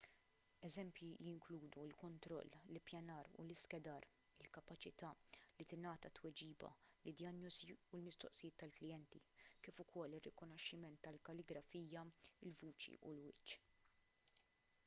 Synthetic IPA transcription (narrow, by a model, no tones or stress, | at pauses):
ɛzɛmpjijɪŋkluːd̪uɪlkɔnt̪ɾɔ̰lːlɪpjɐnɐːɾṵlɪskɛd̪ɐːɾ | ɪlkɐpɐt͡ʃɪt̪ɐːlit̪ɪnɐːt̪ɐt̪wɛd͡ʒiːbɐ̰lɪd̪jɐnjɔziulmɪst̪ɔ̰ʔsɪjɪːt̪ːɐlklɪjɛnt̪ikiːfʊkɔlːɪrːɪkɔnɔʃːɪmɛnt̪ːɐlkɐlɪɡɾɐfiːjɐɪlvuːt͡ʃḭʔṵlwɪt͡ʃː